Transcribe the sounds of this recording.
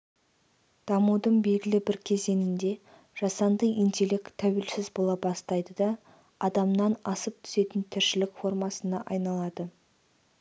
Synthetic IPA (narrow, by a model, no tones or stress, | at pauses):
d̪̥ɑmud̪əɴbe̞lɡʲɪlɪbɪɾkʲʰe̞ze̞nɪnd̪e̞ | ʒ̥ɑsɑnd̪əʔint̪e̞lekt̪ʰæwelsɪzbo̞lˠɑbɑst̪ɑjd̪əd̪ɑ | ɑd̪ɑmnɑnɑsəp̚t̪ʰʏ̥se̞t̪ɪnt̪ʰɪɾʃɪlɪkfo̞rmɑsənɑʔɑjnɑlˠɑd̪ə